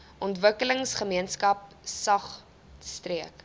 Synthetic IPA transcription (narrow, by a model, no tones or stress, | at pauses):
ʔɔntvəkələŋsχəmiənskɐp̚ | sɐχ | striək